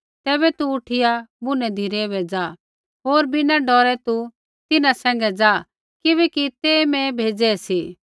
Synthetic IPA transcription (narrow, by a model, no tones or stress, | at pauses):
t̪ɛːbɛt̪uʊʈʰɪjabʊnɛd̪ʱiɾɛʋɛd͡zaː | ɦoːɾbɪnaɖɔːɾɛt̪u | t̪ɪnãsɛ̃ːŋɡɛd͡zaː | kɪβɛːkit̪ɛːmɛ̃bʱeːd͡zɛsiː